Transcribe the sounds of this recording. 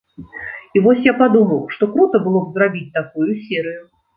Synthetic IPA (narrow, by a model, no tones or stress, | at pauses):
ivɔsʲjapad̪umɐwʂt̪ɔkɾut̪ɐbɨlˠɔbzrabʲit͡sʲt̪akujusʲɛɾɨju